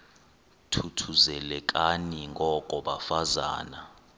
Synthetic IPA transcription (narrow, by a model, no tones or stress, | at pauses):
tʰutʰuzɛlɛk̬ʼaniŋɡʱɔkʼɔɓafaza̰ːna